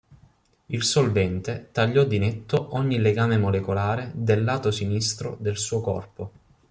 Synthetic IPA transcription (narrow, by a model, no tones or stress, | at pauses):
ilsolvɛnt̪et̪aʎːɔd̪inet̪ːoʔɔɲːileɡaːmemolekolaːɾed̪elːaːt̪osinist̪ɾo̰d̪elsuːokɔ̰rpo